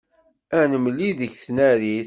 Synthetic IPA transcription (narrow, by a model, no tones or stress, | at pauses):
ænəməlːiðəçθnæɾiθ